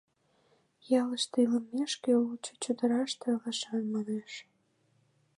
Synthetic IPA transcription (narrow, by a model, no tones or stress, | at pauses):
jɑləʃt̪ɨiləmːeʃkeult͡ɕot͡ɕud̪ə̆ɾɑʃt̪ʰĕlɑʃɑnmɑneʃ